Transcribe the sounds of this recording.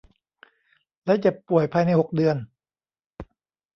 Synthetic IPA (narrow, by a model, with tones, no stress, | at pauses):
lɛ˦˥t͡ɕa˨˩ppu˨˩əjpʰaː˧jna˧jho˨˩k̚dɯ˧ən